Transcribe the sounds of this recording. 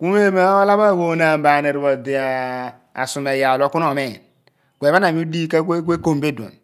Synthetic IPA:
ku˦m˦e˦ma˦o˦la˦ba˦˨ɡo˨˦na˨m˨ba˨ne˨ɾbo˨de˨a˨ | a̰˨su˨me˨ja˨lo˨˦ku˦no˨me˨n | ɡʷe˨βa˦na˨mi˦di˦ka˦kʷkʷe˦ko˦˨mbe˦do̰˨n

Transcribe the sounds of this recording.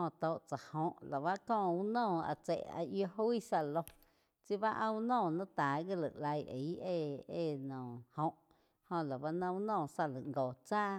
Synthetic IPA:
õ˧t̪o˧˨ʔt͡sa˨hõ˧ʔla˨βa˦ʔkɔ̃ː˦˧˨u˦nɔ̃ː˦˧˨a̰˧˨t͡sḛ˨ʔa̰˧ʔjo˧ɦu˦i˦sa˧lõ˧ | t͡si˦βa˦ʔã˧u˧nɔ̃ː˦˨nã˦t̪aː˨ɡi˦lə˨ʔla˧je˨˦e˧e˧˨nɔ̃˨hõ˧ʔ | hõ˧la˨ba˦nã˧u˦nɔ̃ː˦˧˨sa˧lə˨ŋɡo˨t͡saː˦

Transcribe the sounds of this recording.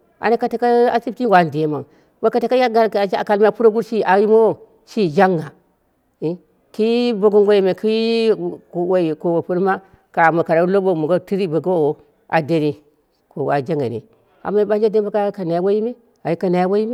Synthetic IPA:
a̰˨na˦ka˦ta˨ka˦a˦si˦p̚ti˦˨wa˨n˨de˨˦ma˨ŋ | ba˦ka˨ta˨ka˦ja˦ɡa˦ɾka˨ka˨lma˦pu˦ɾo˦ɡu˦ɾʃi˦ʔa˨ji˦mo˦wo˦ | ʃi˦˨d͡ʒa˦ŋːa˨˦ | ki˦bo˦ɡo˦ŋɡʷo˦ji˨me˨ki˦˨ | o˨wo˨˦i˨ko˨wo˨pu˦ɾma˦ | ka˨ma˨ka˨ɾa˨˦lo˦bo˦˨mo˨ɡo˦ti˦ɾi˦bo˨ɡa˦wo˦˨wo˨ | a̰˨de˦ni˨ | ko˨wa̰˨d͡ʒa˦ŋa̰˨nḭ˨ | a̰˨ma˦ba˦nd͡ʒa˦de˦nba˦ka˦ka˨na˨ja˦wo˦ji˦me˦ | a˨i˦ka˨na˨ja˦wo˦ji˦me˦

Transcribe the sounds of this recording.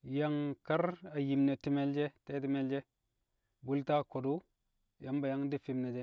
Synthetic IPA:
ja˦ŋka˦ɾa˨ji˨mne˨ti˦me˦ld͡ʒe˦te˦ti˦me˦ld͡ʒe˦ | bu˦lta˦˨ko˨du˦ | ja˦mba˨ja˦ŋdi˦fi˦mne˨d͡ʒe˦

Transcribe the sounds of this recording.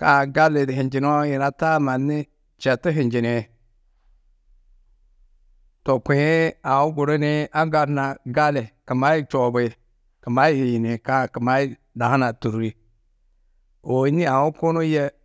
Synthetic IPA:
ka̰˦˨ɡa˦le˨di˨ɦi˨nd͡ʒi˨n˦o˦ji˨na˦ta˦ma˨nːi˦ | t͡ʃe˨ti˦ɦi˨nd͡ʒi˨ne˨ | to˨kʷe˨e˦a˨wu˦ɡu˨ɾe˦ne˦a˦ɡa˨ɾna˨ɡa˦le˨kə˨ma˦ji˦t͡ʃo˨be˨ | kə˨ma˦ji˨ji˨ni˨ka˦˨ki˨ma˦i˦ | da˨ha˦na˨tu˨ɾi˦ | o˨i˦ni˦a˨wu˦ko˦no˦je˦

